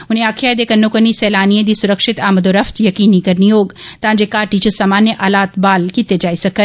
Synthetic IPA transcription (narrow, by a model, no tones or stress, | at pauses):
ʊn̤ɦẽaːkʰjaːjd̪ekɐnːokɐnisɛːlaːniẽd̪isʊɾəkʃɪt̪aːməd̪oːɾɐft̪jɐkiːnikɐɾnijoːɡt̪ãːd͡ʒekaːʈit͡ʃosɐmaːnjəʔaːlaːt̪baːlkiːt̪ed͡ʒaːisɐkə